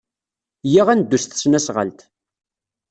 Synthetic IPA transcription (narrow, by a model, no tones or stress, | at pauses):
jiʁænd̪ːust̪snæsʁə̰lt̪